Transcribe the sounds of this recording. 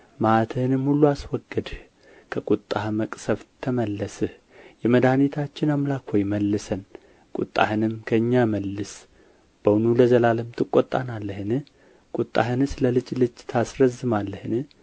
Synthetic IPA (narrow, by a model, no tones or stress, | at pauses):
mat̪ʰəhɨnɨmhulːuaswɔɡəd̪h | kʰəkʼut̪ʼːahməkʼsəβt̪ʰːəməlːəsɨh | jɛməd̪ahnit̪ʰat͡ʃːɪnamlakwɔjməlːɨsən | kʼʊt̪ʼːa̰hɨnɨmkʰəɨɲːaməlːɨs | b̥əwnuləzəlaləmt̪ʰɨkʼɔt̪ʼːanalːəhɨnɨh | kʼut̪ʼːa̰hɨnɨsləlɨt͡ʃʼlɨd͡ʒt̪ʰasɾəzːɨmalːəhɨnɨ